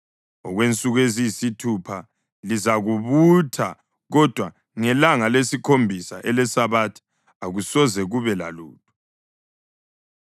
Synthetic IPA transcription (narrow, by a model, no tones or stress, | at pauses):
ɔɣwent͡sʼuɣwezisitʰupʰa | lizaɣuβutʰa | ɣɔd̥ʱwa | ŋɛlaŋalesikʰombʱisa̰ʔɛlɛsaβatʰi̥ | aɣusɔzɛɣuβɛla̰lṵːtʰʼu̥